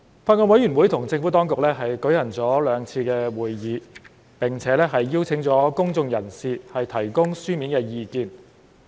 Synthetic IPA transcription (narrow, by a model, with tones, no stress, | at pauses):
faː˧tkɔː˧n̚wɐ˨˥jy˨˩nwu˨˥jt̪ʰʊ˨˩ŋt͡sɪ˧ŋfu˨˥t̪ɔː˥ŋkʊ˨k̚lɛː˥ɦɐ˨jkɵ˨˥jhɐ˨˩nt͡sɔː˨˥lœː˨˧ŋt͡sʰiː˧kɛː˧wuː˨˩jːiː˨˧ | pɪ˨ŋt͡sʰɛː˨˥lɛ˥ɦɐ˨jːi˥wt͡sʰɪ˨˥ŋt͡sɔː˨˥kʊ˥ŋt͡sʊ˧ŋjɐ˨˩nsiː˨hɐ˨jt̪ʰɐ˨˩jkʊ˥ŋsyː˥miː˨˥nkɛː˧jiː˧kiː˨n